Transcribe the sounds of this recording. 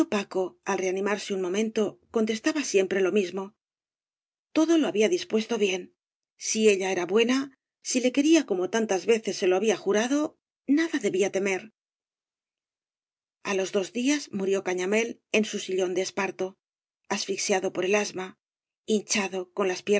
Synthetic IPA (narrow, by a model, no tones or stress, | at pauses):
opako̞alre̞anĩmaɾseunmõ̞mẽ̞nt̪o̞ko̞nt̪e̞st̪aβasje̞mpɾe̞lo̞mizmo̞ | t̪o̞ðo̞lo̞aβiaðispwe̞st̪o̞βje̞n | sie̞ʎae̞ɾaβwe̞na | sile̞ke̞ɾiako̞mo̞t̪ant̪azβe̞θe̞sːe̞lo̞aβiaxuɾaðo̞ | naðaðe̞βiat̪e̞me̞ɾ | alo̞zðo̞zðiazmuɾjo̞kaɲame̞le̞nsusiʎo̞nd̪espaɾt̪o̞ | asfiksjaðo̞po̞ɾe̞lazma | int͡ʃaðo̞ko̞nlaspje